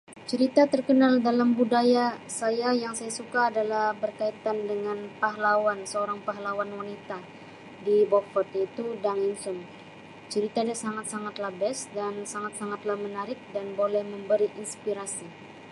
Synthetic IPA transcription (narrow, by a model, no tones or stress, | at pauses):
t͡ʃəɾit̪at̪ərkənaldalambudajasajajaŋsajasukaːdalahbərkait̪andəŋanpaɦlawansəoɾaŋpaɦlawanwanit̪a | dibɔfət̪it̪udaŋinsʊm | t͡ʃəɾit̪adasaŋat̪̚saŋat̪labɛsdansaŋat̪̚saŋat̪lahmənaɾɪk̚danbolɛhməmbəɾiʔinspiɾasi